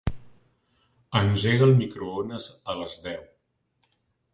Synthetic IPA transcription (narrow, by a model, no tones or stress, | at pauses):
ənʲʒeɣəlˠmikɾuonəzələzðɛw